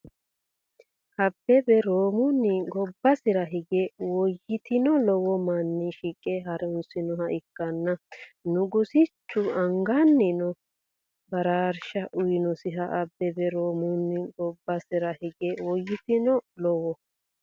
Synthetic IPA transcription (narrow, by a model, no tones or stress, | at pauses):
hɐbːɛbɛɾoːmʊnɪɡɔbːɐsɪɾɐɦɪɡɛwɔjːɪt̪ɪnɔlɔwɔmɐnːɪʃiːkʼːɛɦɐɾɛʊnsɪnɔɦɐʔɪkːɐnːɐnʊɡʊsɪt͡ʃːʊɐŋɡanːɪnɔ | bɐɾaːɾʃɐʔʊjɪnɔsɪɦɐʔɐbːɛbɛɾoːmʊnːɪɡɔbːɐsɪɾɐhɪɡɛwɔjːɪt̪ɪnɔlɔwɔ